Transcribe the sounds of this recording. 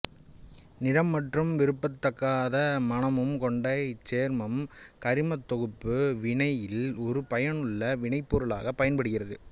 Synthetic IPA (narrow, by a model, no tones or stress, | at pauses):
nɪɽɐmːɐʈrɯmʋɪɾɯpːɐt̪ːɐkːaːðɐmɐnɐmɯmkɔɳɖɐɪt͡ʃːeːɾmɐmkɐɾɪmɐt̪ːɔɣɯpːɯʋɪɳɐjɪlɔɾɯpɐjɐnɯɭːɐʋɪɳɐɪpːuːɾɯɭa̰ːɣɐpːɐjɐnpɐɽɯɣɪrɐðɯ